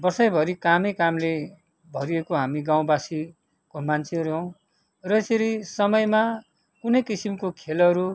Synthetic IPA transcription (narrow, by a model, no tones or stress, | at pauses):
bʌrsʌjbʱʌɾikamʌjkamle | bʱʌɾiekoɦamiɡaw̃basi | komant͡sʰeʌɾuɦʌw̃ | rʌeseɾisʌmʌjma | kunʌjkisimkokʰelʌɾu